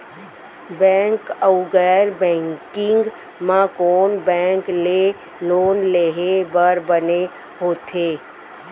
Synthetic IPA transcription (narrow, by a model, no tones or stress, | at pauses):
bɛ̃ːŋkəʊɡɛɾbɛ̃ːŋkɪ̃ŋɡ | mãkoːnbɛ̃ːŋkle | loːnleːɦebəɾbəne | ɦoːt̪ʰeː